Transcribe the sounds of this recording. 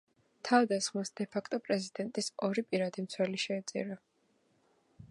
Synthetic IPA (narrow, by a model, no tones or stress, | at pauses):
t̪ʰavd̪asχmasd̪ɛpʰakʰt̪ʼɔpʼɾɛzid̪ɛnt̪ʼisɔɾipʼiɾad̪imt̪sʰwɛliʃɛːt̪sʼḭɾa